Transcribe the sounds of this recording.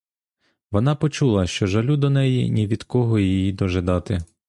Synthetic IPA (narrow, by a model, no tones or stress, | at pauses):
ʋɔn̪ɑpɔt͡ʃulˠɐʃt͡ʃɔʒɐlʲud̪ɔnɛjinʲiʋʲid̪kɔɦɔjijid̪ɔʒed̪ɑt̪ɪ